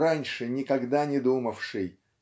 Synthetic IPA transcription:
ɾanʲʂɨnʲɪkɐɡd̪anʲɪd̪uməfʂɨj

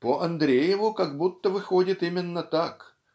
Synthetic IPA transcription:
pəʔɐnd̪ɾʲejɪvʊkɐɡ̚but̪ːəvɨxodʲɪt̪imʲɪnːət̪ak

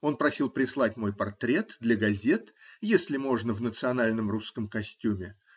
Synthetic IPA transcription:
o̞npɾɐsʲilˠpɾʲɪslˠat̚ʲmo̞jpɐrt̪ɾʲe̞t̪d̪lʲəɡɐzʲe̞t̪jesʲlʲɪmo̞ʐnəvnət̪sɨɐnalʲnəmruskəmkɐsʲtʲumʲɪ

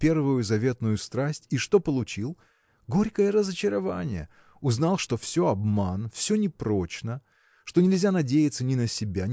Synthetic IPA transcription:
pʲe̞rvʊjʊzɐvʲe̞t̪nʊjʊst̪ɾasʲtʲiʂt̪o̞pəlˠʊt͡ɕilˠ | ɡo̞ɾʲkəjəɾəzət͡ɕɪɾɐvanʲɪ̰jə̰ | ʊznɑlˠʂt̪o̞fsʲoɐbmanfsʲɵnʲɪpɾo̞t͡ɕnə | ʂt̪o̞nʲɪlʲzʲanɐdʲejɪt̪sənʲɪnəsʲɪbʲa

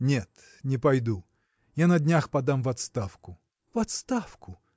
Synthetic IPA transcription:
nʲet̪ | nʲɪpajd̪u | janɐd̪ʲnʲaxpɐd̪amvɐt̪st̪afkʊ | vɐt̪st̪afkʊ

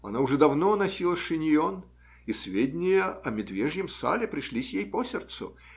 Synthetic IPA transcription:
ɐ̰naʊʐɛd̪ɐvnonɐsʲilˠəʂɨnʲɪjon | isvʲedʲnʲɪjəɐmʲɪd̪vʲeʐnʲɪmsa̰lʲɪpɾʲɪʂlʲisʲjejposʲɪrt̪sʊ̰

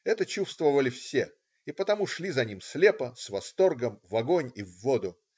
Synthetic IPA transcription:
ɛt̪ət͡ɕufst̪vəvəlʲɪfsʲe | ɪpət̪ɐmuʂlʲizɐnʲimslʲepəsvɐst̪o̞rɡəmvɐɡo̞nʲivːod̪ʊ

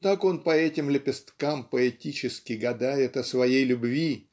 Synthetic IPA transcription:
t̪ako̞npəɛtʲɪmlʲɪpʲɪst̪kampəɛtʲit͡ɕɪskʲɪɡɐd̪ajɪt̪əsvɐjejlʲʊbvʲi

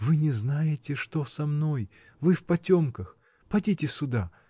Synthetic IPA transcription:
vɨnʲɪznajɪtʲɪʂt̪o̞sɐmno̞j | vɨfpɐtʲo̞mkəx | pɐdʲitʲɪsʲʊd̪a

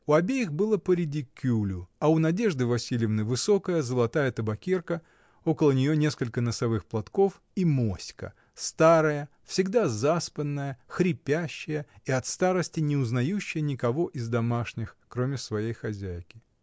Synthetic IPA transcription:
ʊɐbʲejɪxbɨlˠəpəɾʲɪdʲikʲːulʲʊɐʊnɐdʲe̞ʐd̪ɨvɐsʲilʲɪvnɨvɨso̞kəjəzəlˠɐt̪ajət̪əbɐkʲirkə | o̞kəlˠənʲɪjonʲe̞skəlʲkənəsɐvɨxplˠɐt̪ko̞f | imosʲkə̰ | st̪aɾəjə | fsʲɪɡd̪azaspənːəjəxɾʲɪpʲæɕːɪjəiɐt̪st̪aɾəsʲtʲɪnʲɪʊznɐjuɕːɪjənʲɪkɐvo̞ʔɪzd̪ɐmaʂnʲɪxkɾo̞mʲɪsvɐjejxɐzʲæjkʲɪ

